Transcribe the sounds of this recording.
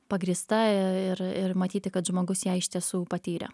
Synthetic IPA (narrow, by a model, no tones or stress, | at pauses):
pɐɡɾʲiːst̪ɐɪɪɾɪɾmɐt̪ʲiːt̪ʲɪkɐt̪ʒmoːɡʊsjɛɪʃʲt̪ʲiɛsuːpɐt̪ʲiːɾʲɛ̰